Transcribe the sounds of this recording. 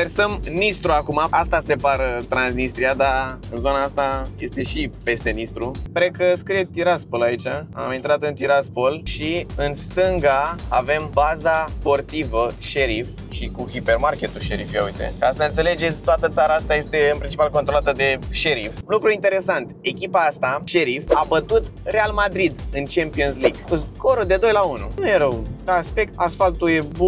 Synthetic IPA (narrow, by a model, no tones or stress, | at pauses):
versəmnist̪ɾuakumaast̪ase̞part̪ɾansnist̪ɾiad̪aɨnzo̞naast̪aje̞st̪e̞ʃipe̞st̪e̞nist̪ɾupɾekəskɾiet̪iɾaspo̞lait͡ʃaa̰mint̪ɾat̪ɨnt̪iɾaspo̞lʃiɨnst̪ɨŋɡaave̞mbazaspo̞rt̪ivəʃe̞ɾif | ʃikuhipe̞rmarkʲe̞t̪uʃeɾifja̰ujt̪e̞̰kasəɨnt̪se̞le̞d͡ʒe̞t̪sʲt̪oat̪ət̪saɾaast̪aje̞st̪e̞ɨnpɾint͡ʃipalko̞nt̪ɾolat̪əd̪e̞ʃeɾiflukɾuint̪e̞ɾe̞sant̪e̞kʲipaast̪aʃe̞ɾifabət̪ut̪ | re̞almad̪ɾid̪ɨnt͡ʃempio̞nsliɡɨskoɾod̪e̞d̪o̞jlaunṵnujeɾəwkaaspe̞k̚t̪asfalt̪uje̞bu